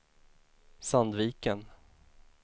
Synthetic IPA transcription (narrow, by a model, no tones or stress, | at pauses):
sand̪viːkən